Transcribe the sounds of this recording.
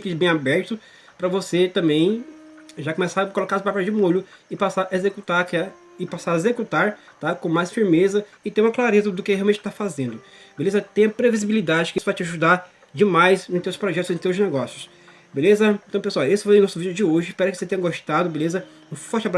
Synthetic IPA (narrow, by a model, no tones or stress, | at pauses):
kɪbẽj̃abɛɾt̪ʊ | pɾɐvoset̪ɐ̃mbẽj̃ | ʒakõmɛsakolokaɾspapɛd͡ʒɪmoʎʊ | ɪpasaɾezekut̪aɾkɛ | ɪpasaɾezekut̪aɾt̪akõmajsfiɾmezɐ | ɪt̪ẽɾũɐklaɾezɐd̪ʊkɪhɦeawmẽnt͡ʃɪt̪afazẽnd̪ʊ | belezɐt̪ẽj̃ɐpɾevizibilid̪ad͡ʒɪkɪisʊ̥vajt͡ʃɪaʒud̪aɾ | d͡ʒɪmajsnʊt̪ewspɾɔʒɛt̪ʊznt̪ewznɛɡɔsjʊs | belezɐẽt̪ɐ̃w̃peswawesʊvãj̃ʊnɔsʊvid͡ʒʊd͡ʒɪoʒɪispɛɾʊkɪ̥oset̪ẽj̃ɐɡoʃt̪ad̪ʊbelezɐ | ũfɔɾt͡ʃɪabɾ